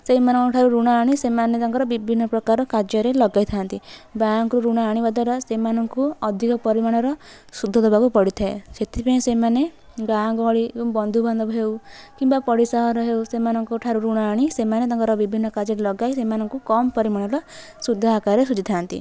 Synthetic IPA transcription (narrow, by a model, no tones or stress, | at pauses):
seimanɔ̃ŋkuʈʰaɾuɾuɽ̃ɔaɽ̃isemanet̪aŋkɔɾɔbibʱinːɔpɾɔkaɾɔkaɾd͡ʒjɔɾelɔɡajt̪ʰant̪ibaŋkɾuɾuɽ̃aaɽ̃ibad̪aɾɔsemanɔŋkuɔd̪ʱikɔpɔɾimaɽ̃ɔɾɔ | sud̪ʱːɔd̪ɔbakupɔɽit̪ʰaeset̪ʰipaĩsemane | ɡãɡɔɭiebɔŋbɔnd̪ʱubʱand̪ɔbɔɦewkimbapɔɽisaɦɔɾɔɦewsemanɔŋkuʈʰaɾuɾuɽ̃aaɽ̃isemanet̪aŋkɔɾɔbibʱinːɔkaɾd͡ʒɔɾelɔɡajsemanɔŋkukɔmpɔɾimaɽ̃ɔɾɔ | sud̪ʱɔakaɾesud͡ʒit̪ʰant̪ḭ